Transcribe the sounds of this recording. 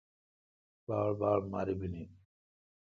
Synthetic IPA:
b̥aːɾbaːɾmaɾibini

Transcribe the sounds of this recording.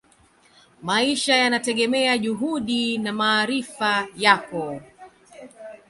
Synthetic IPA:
maiʃajanatɛɠɛmɛaʄuɦuɗinamaːɾifajakɔ

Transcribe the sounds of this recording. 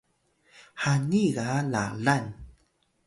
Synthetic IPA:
haniɣala̰lan

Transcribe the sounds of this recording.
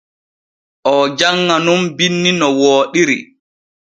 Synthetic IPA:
ʔɔd͡ʒaŋːanumbinːinɔwoːɗiɾḭ

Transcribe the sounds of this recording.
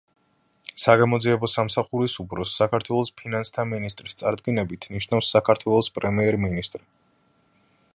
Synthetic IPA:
saɡamɔd̪ziɛbɔsamsaχuɾisupʰɾɔsːakʰaɾt̪ʰwɛlˠɔspʰinanst̪ʰaminist̪ʼɾist̪sʼaɾd̪ɡinɛbit̪ʰniʃnafsːakʰaɾt̪ʰwɛlˠɔspʼɾɛmiɛɾminist̪ʼɾ

